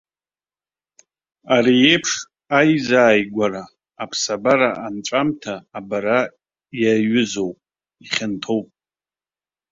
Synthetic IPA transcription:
aɾiepʰʂ | ajzaːjɡʷaɾaː | pʰsabaɾaʔant͡ʃʷʼamtʰaːbaɾa | jaɥʏzo̞wpʼ | iχʲɪntʰo̞wpʼ

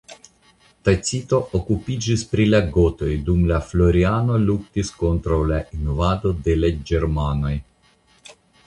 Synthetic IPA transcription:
t̪ajt͡sit̪o̞ʔokupid͡ʒispɾilaɡo̞t̪o̞jdumlaflo̞ɾiano̞luk̚t̪isko̞nt̪ɾawlaʔinovad̪o̞d̪e̞lad͡ʒeɾmano̞j

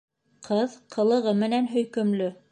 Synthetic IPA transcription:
qʰɤðqʰɤ̆lˠɤ̆ʁɤmɘ̆nænɦɵ̆jkɵ̆mlɵ

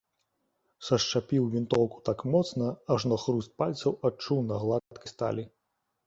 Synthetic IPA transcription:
sɐʂt͡ʂapʲiwvʲint̪ɔwku̥t̪akmɔt̪snɐɐʐnɔxɾust̪̚palʲt̪sɐwat͡ʂuwnɐɣlˠat̪kʲist̪a̰lʲi

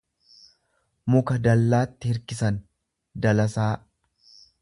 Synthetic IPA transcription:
mʊkɐd̪ɐlːaːt̪ːɪhɪɾkɪsɐn | d̪ɐlɐsaː

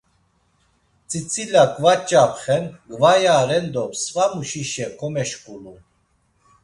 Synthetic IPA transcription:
t͡sʼit͡sʰʼilakʼvat͡ʃʼapχɛnɡvajaːɾɛnd̪ɔpsvamuʃiʃɛkʰɔmɛʃkʼulu

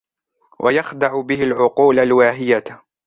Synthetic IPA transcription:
wʔajɑxd̪ɑʕʊbɪhɪlʕʊquːlalwaːɦɪja

